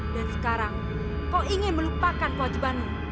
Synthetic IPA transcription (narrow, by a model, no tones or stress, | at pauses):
d̥a̤ɾiskaɾaŋ | kɔʔiŋeməlupakankəwad͡ʒibani